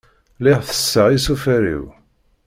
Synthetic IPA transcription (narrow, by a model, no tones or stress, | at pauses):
lɪʁθə̥sːəʕisufæɾḭw